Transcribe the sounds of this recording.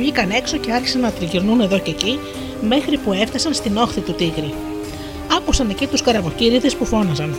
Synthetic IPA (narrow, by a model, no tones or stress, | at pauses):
ʎikɐne̞kso̞ce̞ɐɾçi̥sɐnɐt̪ɾiʝiɾnune̞ðo̞ce̞ci | me̞xɾipue̞fθɐsɐnst̪ino̞xθit̪ut̪iɣɾi | ɐkusɐne̞cit̪uskɐɾɐvo̞ciɾiðe̞spufo̞nɐzɐn